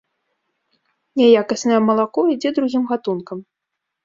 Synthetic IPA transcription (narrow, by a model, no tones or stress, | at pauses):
nʲɛjakɐsnɐjɛmɐlˠakɔid͡zʲɛd̪ɾuɣʲimɣat̪unkɐm